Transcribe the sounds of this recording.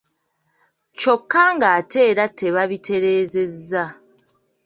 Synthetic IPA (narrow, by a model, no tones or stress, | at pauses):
t͡ʃo̞kːaŋɡaːtʰe̞ːɾatʰe̞βaβitʰe̞ɾe̞ːze̞zːa